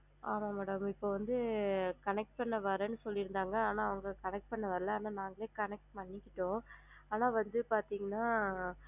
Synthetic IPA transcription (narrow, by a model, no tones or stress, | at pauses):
aːmaːmɛːɽɐmɪpːoʋɐnd̪ɯkɐnɛk̚ʈ̚pɐɳːɐʋɐɾɐnːɯsɔlːɪɾɯnd̪aːŋɡɐaːnaːɐʋɐŋɡɐkɐnɛk̚ʈ̚pɐɳːɐʋɐɾɐlɐaːnaːnaːŋɡɐɭeːkɐnɛk̚ʈ̚pɐɳːɪkːɪʈːõːaːnaːʋɐnd̪ɯpaːɾt̪iːŋɡɐnːaː